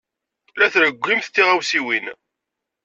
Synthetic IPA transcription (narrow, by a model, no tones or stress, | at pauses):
læθɾəɡʷːimθt̪ːiʁawsiwin